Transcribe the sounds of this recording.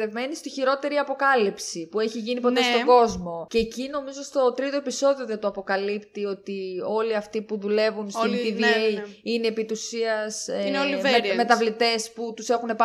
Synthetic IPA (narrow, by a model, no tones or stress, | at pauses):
evme̞nist̪içiɾo̞t̪e̞ɾiɐpo̞kɐlipsipue̞çiʝinipo̞t̪e̞st̪o̞ɡo̞zmo̞ceːcino̞mizo̞st̪o̞t̪ɾit̪o̞e̞piso̞ðio̞ðet̪oɐpo̞kɐlipt̪io̞t̪io̞liɐft̪ipuðule̞vunsint̪ivieine̞ːpit̪usiɐsnoliɾmet̪ɐvlit̪e̞sput̪use̞xune̞p